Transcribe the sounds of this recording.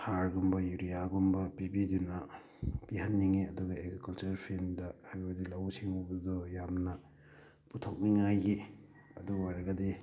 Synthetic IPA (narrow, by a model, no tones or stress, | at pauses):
haɾɡumbɐjuɾijaɡumbɐpibidunɐ | pihɐnːiŋeɐduɡɐeɡɾikɐlt͡ʃɐɾpʰemdɐhajbbɐdilɐwsiŋubɐdɔjamnɐ | putʰok̚niŋajɡe | ɐduwaɾɐɡɐdi